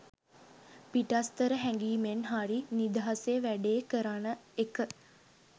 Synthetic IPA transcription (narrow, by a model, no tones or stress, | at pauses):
piʈast̪əɾəɦæŋɡiːmenɦaɾinid̪əɦaseəʋæɖeːkəɾanəekə